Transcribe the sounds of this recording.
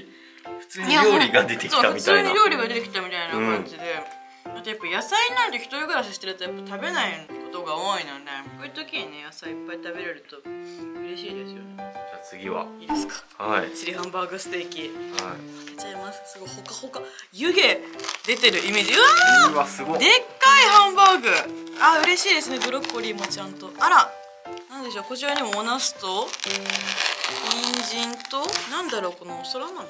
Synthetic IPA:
ɸɯ̟̥t͡sɨːɲɾʲoɾʲiɡad̪et̪eksoit̪aɯmʲit͡s̪aɨːɲ̟iɾʲo̞ːɾʲiɡad̪e̞t̪e̞kʲi̥t̪amʲit̪ainakãnɲd͡ʑid̪e̞ | mat̪ajapːajasaiɲinãnt̪eçʲi̥t̪o̞ɾʲiɡɯɾaɕiɕi̥t̪eɾɯ̟t̪o̞japːat̪abe̞naiko̞t̪o̞ɡao̞ːinod̪ekoɯt̪o̞kʲiɲ̟ine̞jasaiipːait̪abe̞ɾe̞ɾɯ̟t̪o̞ɯ̟ɾe̞ɕiːd̪e̞sɨjoned͡ʑat͡sɨɡʲiβa̰iːd̪esɨ̥kḁ | ait͡ɕiɾʲiɦãmbaːɡɯsɨ̥t̪e̞ːkʲiha̰iβak̪ḁt͡ɕaimasɨ̥sɨɡohokahoka | jɯ̟ɡe̞d̪e̞t̪e̞ɾɯ̟ʔime̞ːd͡ʑiasɨɡd̪e̞kːaihãmbaːɡɯ̟aɯ̟ɾe̞ɕiːd̪e̞sɨne̞bɯ̟ɾo̞kːoɾʲiːmo̞t͡ɕãnt̪o̞ʔaɾa | nãnd̪e̞ɕo̞ːko̞t͡ɕiβaɲ̟imoːnasɨ̥t̪o̞ | ɲĩɲd͡ʑĩnt̪o̞nãnd̪aɾo̞ːko̞no̞soɾanõn

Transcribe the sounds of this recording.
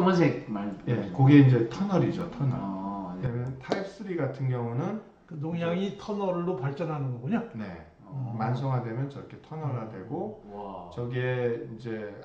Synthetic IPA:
mas̬ekmajekoɡieind͡ʑe̞tʰʌnʌɾid͡ʑotʰʌnʌ̰ɾemjʌntʰaip̚ʰs͈ɯɾiɡatʰɯnɡjʌŋunɯn | kɯnoŋjaŋitʰʌnʌɾːopaɭt͡ɕ͈ʌnɦanɯnɡʌɡoɲane̞̰ | mans̬ʰʌŋɦadwe̞mjʌnt͡ɕʌɾʌkʰe̞tʰʌnʌɾadwe̞̰ɡot͡ɕʌɡieind͡ʑe̞

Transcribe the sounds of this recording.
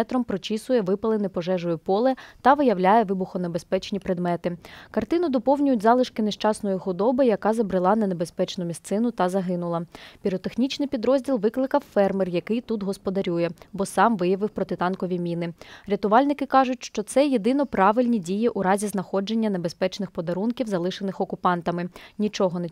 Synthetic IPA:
ɛt̪ɾɔmpɾɔt͡ʃisʊjɛʋɪpɐlˠenɪpɔʒɛʒʊjʊpɔlˠɛt̪ɐʋɪjɐwlʲajɛʋɪbʊxɔnebespɛt͡ʃnʲipɾed̪mɛt̪ɪkɐrt̪ɪnʊd̪ɔpɔwnʲʊjʊtʲzɑlˠɪʃkɪneʃt͡ʃɑsnɔjixʊd̪ɔbɪjɐkɑzɐbɾɪlˠɑnɐnebe̞spɛt͡ʃnʊmʲist̪sɪnʊt̪ɐzɐɦɪnʊlˠɐpʲiɾɔt̪exnʲit͡ʃnɪjpʲid̪ɾɔzʲdʲilˠʋɪklˠɪkɐwfɛrmɪrjɐkɪjt̪ut̪ɦɔspɔd̪ɐɾʲujɛbɔsɑmʋɪjɐʋɪwpɾɔt̪ɪt̪ɑnkɔʋʲimʲinɪɾʲɐt̪ʊʋɑlʲnɪkɪkɑʒʊtʲʃt͡ʃɔt̪sɛjed̪ɪnɔpɾɑʋɪlʲnʲidʲijiʔuɾɑzʲiznɐxɔd͡ʒenʲːɐne̞bespɛt͡ʃnɪxpɔd̪ɐɾunkʲiwzɐlˠɪʃenɪxɔkʊpɑnt̪ɐmɪnʲit͡ʃɔɦɔne

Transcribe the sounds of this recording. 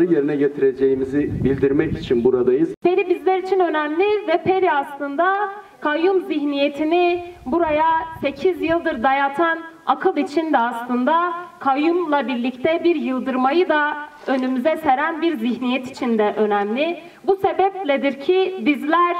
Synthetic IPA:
ɾɯje̞ɾinɛɟet̪ʰiɾe̞d͡ʒejimizibilʲd̪iɾmɛcit͡ʃʰinbuɾad̪ajɯzpʰe̞ɾibizlʲɛɾit͡ʃʰinø̞næmlʲɪvɛpʰe̞ɾiaslˠɯnd̪a | kʰajumziçnije̞t̪ʰinibuɾajase̞cʰizjɯlˠd̪ɯɾd̪ajat̪ʰanakʰɯlˠit͡ʃʰind̪ɛaslˠɯnd̪akʰajumlˠabiɾlʲict̪ʰɛbiɾjɯlˠd̪ɯɾmajɯd̪a | ø̞nymyzɛse̞ɾænbiɾziçnijɛt̪ʰi̥t͡ʃʰind̪ɛʔø̞næmlʲɪ | buse̞bɛplʲɛd̪iɾcʰibizlʲæɾ̥

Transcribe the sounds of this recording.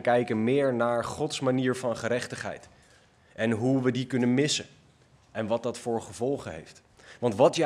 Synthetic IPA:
kɛjkənmɪːɹnaːɹχɔtsmaniːɹvɑnχəɾɛχtəχɦɛ̰jt | ʔɛnɦuʋədikɵnənmɪsə | ɛnʋɑt̚dɑtfʊːɹχəvɔlˠχəɦḛjft | ʋɑntʋɑtj

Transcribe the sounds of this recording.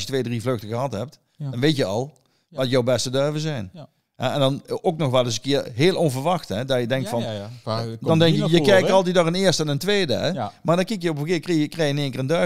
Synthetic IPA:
sjətʋeːdrivløxtəɣəɦɑtɦɛp̚t | dɑnʋejtjəɑlˠ | ʋɑtjowbɛstədøɹvəzɛjn | ɦɛ̰ɛndɑnoknɔxʋɛlˠɪs̬ənkɪːɹɦeːlˠɔnvəɹʋɑxtɦɛdajədɛŋk̚tfɑn | dɑndɛŋkjəjəkɛjkɑlˠtɛtdɔʁənɪːɹstɛnəntʋejdə̰ɛmaːɹdɑnkikjəopfəkɪːkreəkrejɪnɪːŋkɪrəndø

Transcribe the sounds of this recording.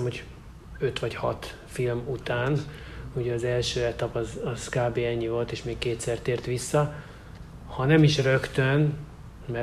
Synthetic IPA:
mhoɟ | ø̞t̪ʋɒɟhɒt̪ | filmut̪aːn | uɟɛɒzɛlʃøːɛt̪ɒpɒzɒzkaːbeːɛɲːivo̞lt̪eːʃmeːkkeːt̪sɛrt̪eːrt̪ʋisːɒ | hɒnɛmiʃrø̞kt̪øn | mɛ

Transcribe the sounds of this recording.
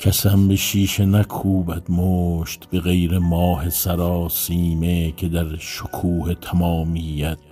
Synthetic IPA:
kʰæsæmbeʃiːʃenækʰuːbæd̪moʃt̪beɣejɾemɒːhesæɾɒːsiːmekʰe̞d̪æɾʃokʰuːhet̪ʰæmɒːmiːjæd̪̥̚

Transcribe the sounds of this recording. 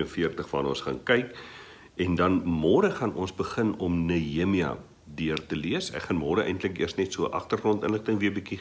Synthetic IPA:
ənfiərtəχfɐnɔnsχɑːnkɐjk | ɛndɐnmɔːdəχɐnʔɔnsbəχənɔmnəimiɐ̰ | diərtəliəsɛ̰kχɐnmɔːɾəʔɛ̰jntləkḭərsnɛtsuəʔɐχtərχrɔntənləχtəŋviəbiki

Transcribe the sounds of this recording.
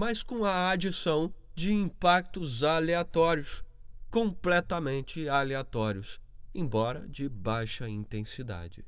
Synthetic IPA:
mɐskõw̃ɐad͡ʒisɐ̃w̃ | d͡ʒɪĩpak̚t̪ʊzaleat̪ɔɾjʊs | kõplɛt̪ɐmẽnt͡ʃɪaleat̪ɔɾiʊs | ẽj̃bɔɾɐ̰d͡ʒɪbajʃɐĩnt̪ẽsid̪a̰d͡ʒɪ

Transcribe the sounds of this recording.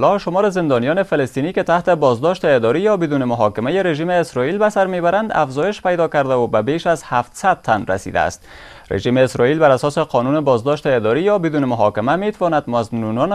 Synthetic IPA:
lɒʃomɒɾɪzɪnd̪ɒnijɒnefalɪst̪iniket̪aht̪ebɒzd̪ɔʃt̪eːd̪ɒɾijɒbɪd̪unemʊɦɒkɪmajeɾeʒiːmeːsɾɒilbæsaɾmebaɾand̪a̰fzɒːjɪʃpajd̪ɒkaɾd̪awobabeʃazhaft̪sad̪̚t̪anɾa̰sḭd̪a̰ːst̪̚ | ɾḛʒimeːsɾɒilbaɾasɒseqʰɒnunebɒzd̪ɔʃt̪eːd̪ɒɾijɒbɪd̪unemʊɦɒkɪmamet̪awɒnad̪maznunɒn

